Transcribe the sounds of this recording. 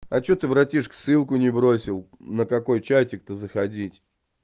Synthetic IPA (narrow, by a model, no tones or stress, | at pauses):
ɐt͡ɕot̪ɨvɾɐtʲiʂksɨlˠkʊnʲɪbɾo̞sʲɪlˠ | nəkɐko̞jt͡ɕætʲɪk̚t̪ɨzəxɐdʲitʲ